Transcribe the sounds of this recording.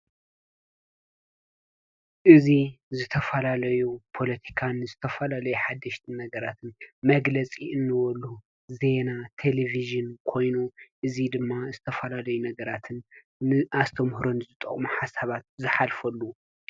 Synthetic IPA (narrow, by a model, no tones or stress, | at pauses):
ʔɨzizɨt̪ʰɐfɐlalɐjupʰo̞lɐt̪ʰi̥kʰanzɨt̪ʰɐfɐlalɐjuħad̪ːɐʃt̪ʰɨnːɐɡɐɾat̪ʰɨnmɐɡlɐt͡sʼiʔɨnːɨwɔlːu | ze̞nat̪ʰeleviʒɨnkʰo̞jnuʔɨzid̪ɨmːazɨt̪ʰɐfɐlalɐjunɐɡɐɾat̪ʰɨnː | ɨʔast̪ʰɐmhɾonɨzɨt̪ʼɐ̰χʼmuħasaβat̪̚zɨħalfɐlːu